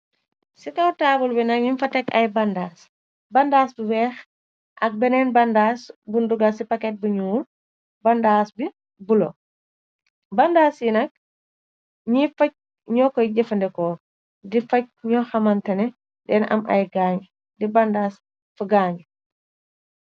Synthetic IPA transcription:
sikɐwtaːbulbinɐk̚ɲinfɐtɛkɐjbɐndaːs | bɐndaːsbuwɛːx | ʔɐk̚bɛnɛnbɐndaːsbunduɡasipakɛt̚buɲuːl | bandaːsbi | bulo | bandaːsjinɐk̚ | ɲifɐc̚ | ɲɔkɔjɟɛfɐndɛkɔː | difɐc̚ɲɔxɐmɐntɐnɛ | dɛːnɐ̰mʔɐ̰jɡaɲ | dibandaːs | fuɡaːɲ

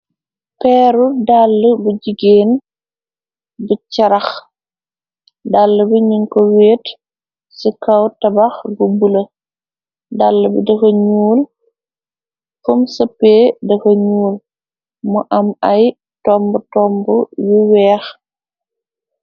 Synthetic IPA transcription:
pɛːɾudalːəbuɟiɡeːn | bucɐɾɐx | dalːəbiɲiŋkɔweːt | sikɐwtɐbɐxɡubulɐ | dalːəbḭdɐxɐɲuːl | fumsɐpːeːdɐxɐɲuːl | muʔɐmɐj | tɔmbutɔmbujuwɛːx

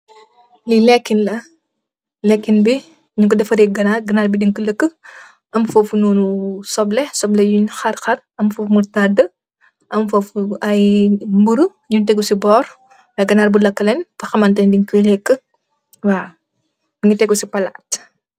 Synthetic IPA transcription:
lilɛkːinlɐ | lɛkːinbi | ɲuŋkɔdɛfɐɾiɡɐnaɡɐnaːɾbidiŋkələkːə | ʔɐmfoːfunuːnusɔblɛsɔblɛjuɲxɐrxɐr | ɐmfoːfmuɾtadə | ʔɐmfofuɐjmbuɾu | ɲuntɛɡusibɔːr | bɛɡɐnaːɾbulɐkːɐlɛnfɐxɐmɐntɐndiŋkəlɛkːə | waː | biŋutɛɡusipɐla̰ːt

